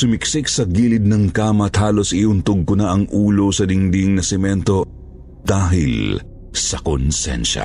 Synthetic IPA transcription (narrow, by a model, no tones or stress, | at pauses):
sʊmɪksɪk̚sɐɡiːlɪd̪̚nɐŋkaːmɐt̪haːlo̞sɪʔʊnt̪ʊɡ̚kʊnaʔɐŋʔuːlosɐd̪ɪŋd̪iŋnɐsɛmɛnt̪o̞ | d̪̥aːɦɪ̰l | sɐkonsɛ̰nʃɐ̰